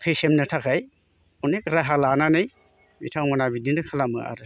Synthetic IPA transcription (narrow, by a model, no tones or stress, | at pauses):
kʰɯjsemnɯtʰakʰaj | ɔnekɾaɦalananɯj | mḭtʰaŋmanabidinɯkʰalamɯ̰a̰ɾɯ